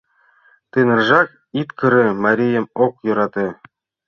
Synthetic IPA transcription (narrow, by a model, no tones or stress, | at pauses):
t̪ɯnɤ̆rʒɑk | it̪kɤ̆ɾɘ̆mɑɾʲijɤmok̚jŏɾɑt̪ɤ̆